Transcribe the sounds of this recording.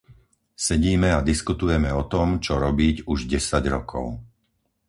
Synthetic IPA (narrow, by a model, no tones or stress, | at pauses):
sɛɟiːmɛad̪iskut̪ujɛmɛɔt̪ɔmt͡ʃɔɾɔbiːɟuʒɟɛsaɟɾɔkʰɔ̰ʊ